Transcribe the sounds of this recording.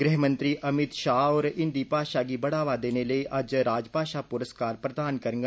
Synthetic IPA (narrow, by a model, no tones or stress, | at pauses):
ɡɾɪɦmə̃nt̪ɾiːɐmɪt̪ʃaːɔːɾɪ̃nd̪iːpaːʃaːɡibɐɽaːʋad̪eːneləiʔɐd͡ʒɾaːd͡ʒpaːʃapʊɾəskaːɾpɾəd̪aːnkəɾŋɡa